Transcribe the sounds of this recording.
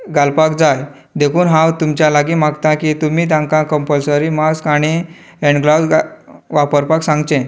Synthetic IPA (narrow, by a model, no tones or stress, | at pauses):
ɡalpakd͡zaj | d̪ekʰuːnɦãwt̪umt͡ɕjalaɡimaɡt̪ãkiːt̪umiːt̪̬ãŋkãkəmpəlsəɾiːmaskaɽ̃i | eɳɖɡlasʋapəɾpaksãŋɡt͡ɕẽ